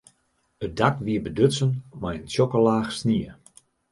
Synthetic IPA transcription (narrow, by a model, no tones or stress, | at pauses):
ət̚dakʋiəbədøtsənmajənsokəlaːxsniə